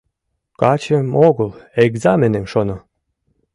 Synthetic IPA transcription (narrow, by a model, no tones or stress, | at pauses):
kɑt͡ɕemoɣəleɡzɑmenemʃono